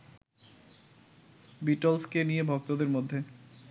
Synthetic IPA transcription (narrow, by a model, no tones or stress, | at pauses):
biʈolskenijebʱɔk̚t̪od̪eɾmod̪ʱːe